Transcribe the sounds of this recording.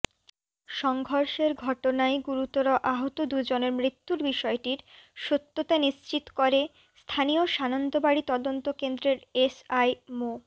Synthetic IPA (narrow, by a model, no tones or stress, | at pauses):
ʃɔŋɡʱoɾʃeɾɡʱɔʈonaeɡuɾut̪oɾoʔaɦot̪od̪ud͡ʑoneɾmɾit̪ːuɾbiʃɔeʈiɾʃot̪ːot̪aniʃt͡ɕit̪o̥koɾe | st̪ʰanioʃanont̪obaɽit̪ɔd̪ont̪okend̪ɾeɾesajmo